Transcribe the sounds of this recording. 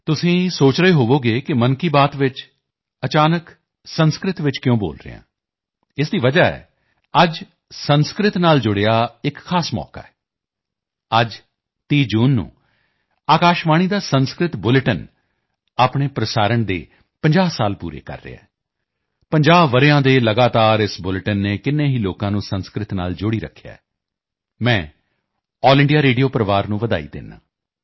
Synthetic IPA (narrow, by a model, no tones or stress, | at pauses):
t̪ʊsĩːsoːt͡ʃɾəeːɦoːʋoːɡeːkɪmənkiːbaːt̪ʋɪt͡ʃ | ət͡ʃaːnək | sənskɾɪt̪ʋɪt͡ʃkjõːbo̰ːlɾɪ̰jã̰ː | ɪsd̪iːʋəd͡ʒaːɛ̰ː | əd͡ʒ | sənskɾɪt̪naːld͡ʒʊɽeaːɪkʰːaːsmɔ̰ːka̰ːɛ | əd͡ʒ | t̪iːd͡ʒuːnːṵ̃ː | aːkaːʃʋaːɽ̃iːd̪aːsənskɾɪt̪bʊlʈən | aːpɳ̃eːpɾəsaːɾəɳd̪ḛː | pəɲd͡ʒaːsaːlpṵːɾḛːkə̰ɾːḛːa̰ː | pəɲd͡ʒaːbʋəɾeãːd̪eːləɡaːt̪aːɾɪsbʊlʈənːeːkɪnːẽːɦiːloːkãːnũːsənskɾɪt̪na̰ːld͡ʒʊɽiːɾə̰kʰːja̰ː | mɛ̃ː | ɔːlɪɳɖijaːɾeːɖijoːpəɾəʋaːɾnũːʋəd̪a̰ːḭːd̪ɪ̰nːa̰ː